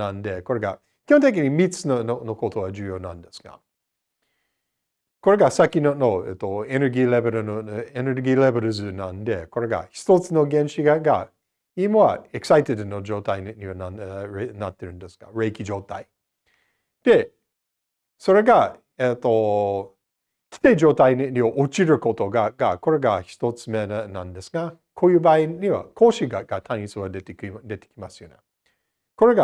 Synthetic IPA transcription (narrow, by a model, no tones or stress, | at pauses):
nãnd̪e̞ko̞ɾe̞ɡa̰ | kʲihõnt̪e̞k̬ʲiɲ̟imʲit͡sɨnononokot̪o̞βad͡ʒɨːjo̞ːnã̰nd̪e̞sɨ̥ɡ̥a̰ | ko̞ɾe̞ɡasakʲinonoḛt̪ːoeneɾɡʲiːlebeɾɯneneɾɡʲiːlebeɾɯzɨnãnd̪e̞ko̞ɾe̞ɡa̰çi̥t̪ot͡sɨno̞ɡẽ̞ñɕiɡaɡa | imoβa̰eksait̪ed̪ɨnod͡ʒo̞ːt̪aiɲiβananat̪ːe̞ɾɯ̟nd̪e̞sɨ̥ɡa̰ɾe̞kʲid͡ʒo̞ːt̪a̰i | d̪̥e̞ | so̞ɾe̞ɡa | et̪ːo̞ | kʲi̥t̪eid͡ʑo̞ːt̪aiɲʲioʔot͡ɕiɾɯ̟ko̞t̪o̞ɡaɡako̞ɾe̞ɡaçi̥t̪o̞t͡sɨmenã̰nd̪e̞sɨɡa | kʰoːjɯ̟ːbaːiɲiβa̰kʰo̞ːɕiɡaɡ̥at̪ʰãɲʲisɨɡad̪et̪ed̪e̞t̪e̥kʲimasɨjone | ko̞ɾe̞ɡa